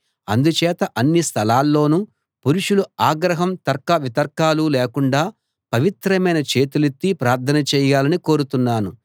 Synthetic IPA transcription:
ɐ̰nd̪ut͡ʃɛːt̪ɐʔɐnːist̪ʰɐlaːlːo̞ːnu | puɾuʂuluaːɡɾɐɦɐmt̪ɐɾkɐʋit̪ɐɾkaːluleːkuɳɖaː | pɐʋit̪ɾɐmɐjnɐt͡ʃeːt̪ulet̪ːipɾaːɾt̪ʰɐnɐt͡ʃɛːjaːlɐnikoːɾut̪unːaːnu

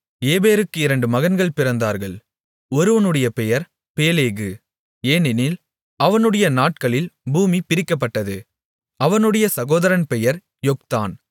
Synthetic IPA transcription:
eːbeːɾɯkːɯɪɾɐɳɖɯmɐɣɐnɡɐɭpɪɾɐnd̪aːɾɣɐɭ | ɔɾɯʋɐnɯɽɐjɐpɛjɐɾ | peːleːɣɯ | eːnɪnɪl | ɐʋɐnɯɽɐjɐnaːʈkɐɭɪlbuːmipɪɾɪkːɐpːɐʈːɐðɯ | ɐʋɐnɯɽɐjɐsɐɣoːðɐɾɐnpɛjɐɾ | jɔk̚t̪a̰ːn

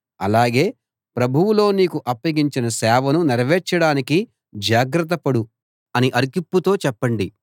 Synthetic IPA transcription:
ɐlaːɡe̞ː | pɾɐbʱuwulo̞ːniːkuʔɐpːɐɡiɲt͡ʃinɐsɛːʋɐnuniɾɐʋɛːt͡ʃːɐɽaːniki | d͡ʒaːɡɾɐt̪ːɐpɐɽu | ɐniʔɐɾkipːut̪o̞ːt͡ʃɛpːɐɳɖi

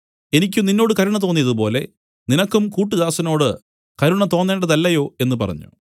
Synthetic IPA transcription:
e̞nikʲːumninːo̞ːɽɨkɐɾuɳɐt̪̬o̞ːnːijɐðup̬o̞ːle̞̰ | ninɐkːumkuːʈːuðaːsɐno̞ːɽɨ | kɐɾuɳɐt̪o̞ːnːe̞ːɳɖɐðɐlːɐjo̞ːe̞nːɨpɐ̰rɐ̰ɲːṵ

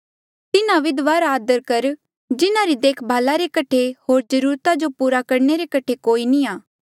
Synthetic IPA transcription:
t̪ɪnãʋɪd̪ʋaːɾaːd̪əɾkɐɾ | d͡ʒɪnãɾid̪eːkʰbʱaːlaɾekɐʈʰehoːɾd͡ʒəɾuːɾt̪ad͡ʒopuːɾakɐɾneɾekɐʈʰekoːinĩaː

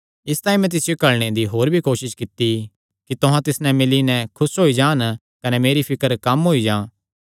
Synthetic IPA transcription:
ɪst̪aːĩmɛ̃t̪̬ɪsɪjokɐɭɽ̃ed̪iɦoːɾbʱikoːʃɪʃkɪt̪ːi | kit̪ʊɦãt̪ɪsnɛmɪlinɛ̃kʰʊsɦoid͡ʒaːn | kɐnɛmeːɾipʰɪkəɾkɐmɦoid͡ʒãː

